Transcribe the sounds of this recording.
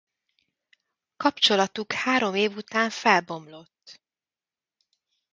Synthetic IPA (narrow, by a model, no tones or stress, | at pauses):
kɒpt͡ʃo̞lɒt̪ukhaːɾo̞meːvut̪aːɱfɛlbo̞mlo̞t̪ː